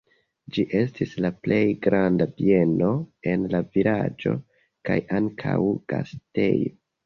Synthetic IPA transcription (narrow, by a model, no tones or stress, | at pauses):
d͡ʒiʔe̞stislaple̞jɡɾandabie̞no̞e̞nlavilad͡ʒo̞̰ | kajaŋkʰawɡ̥astḛjo